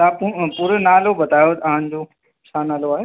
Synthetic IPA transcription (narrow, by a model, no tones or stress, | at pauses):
t̪ãːpupuɾənaːlobɐt̪aːjot̪ɐʋãnɪ̆d͡ʑoː | t͡ɕʰaːnaːloaːɦe